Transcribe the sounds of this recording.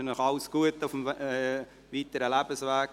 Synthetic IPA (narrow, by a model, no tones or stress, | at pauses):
ənɔχɑʊsɡ̥uətʊfm | viːtəɾəlɛbəsvæːk